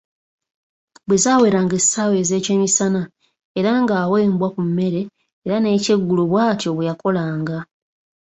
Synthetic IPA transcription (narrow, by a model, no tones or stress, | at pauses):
bwezaːwe̞ːɾaːŋɡesaːwe̞ːze̞ːceːmisana | eɾaŋɡaːweːmbwakumːe̞ɾe̞ː | ɾane̞ːce̞ɡːuluβwaːtjo̞βwejako̞laːŋɡa